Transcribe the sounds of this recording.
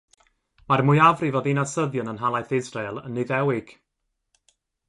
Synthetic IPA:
marmʊjavrivɔðinasəðjənənɦalˠajθɪzrelˠənːɨðɛwɪɡ̥

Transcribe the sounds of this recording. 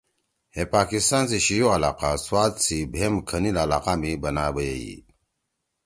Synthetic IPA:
hepaːkist̪aːnsiɕijoɐlaːqaswaːt̪sibʱemkʰənilːla̰ːqamibɐnaːbəjeḭ

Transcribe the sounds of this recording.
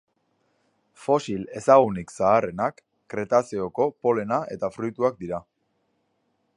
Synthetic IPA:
fo̞sile̞saɣ̞uniksaːre̞nakː | ɾe̞t̪aseoko̞po̞le̞naʔe̞̰t̪afɾujt̪uak̚d̪iɾa

